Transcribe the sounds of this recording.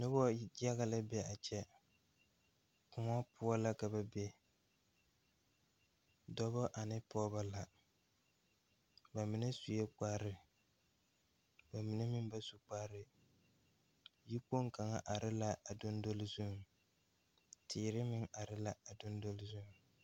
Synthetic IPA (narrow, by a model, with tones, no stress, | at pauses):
nʊ˦bɔ˦a˦ɣa˦la˦bɛ˦a˨t͡ʃɛ˦ | kʊ˨ŋa˦pʊ˦ɔ˦la˦ka˨ba˦bɛ˦ | dɔ˦bɔ˦ʔa˨nɪ˦pɔː˦ba˦la˨ | ba˨mɪ˨nɨ˦su˨je˦k͡pa˦ɾɪ˨ | ba˨mɪ˨nɪ˦mɪ˦m˦ba˦su˨k͡paː˦ɾɪ˨ | ji˦ko˦ŋka˨ŋa˦ʔa˨ɾɪ˦la˦ʔa˨do˦n˦do˦lzu˦˨ | tʰiː˨ɾɪ˦mɪ˦ŋa˨ɾɪ˦la˦a˨do˦ndo˦lzu˦˨ŋ